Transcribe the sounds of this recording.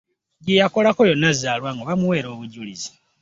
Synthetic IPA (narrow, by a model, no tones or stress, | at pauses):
ɟijako̞lako̞jo̞nːazaːlwaːŋɡoβamuwe̞ːɾo̞ːβuɟulizi̥